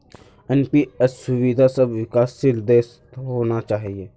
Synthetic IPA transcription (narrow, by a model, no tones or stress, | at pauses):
ɛnpiəsːʊʋid̪ʱasɐbwɪkaːsɪld̪eːs | ɦoːnat͡ʃaːɦieː